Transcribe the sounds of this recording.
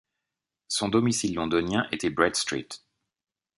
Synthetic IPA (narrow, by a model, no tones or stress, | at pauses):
sɔ̃d̪ɔmisilːɔ̃d̪ɔnjɛ̃ʔet̪ɛbʁɛd̪st̪χḭt̪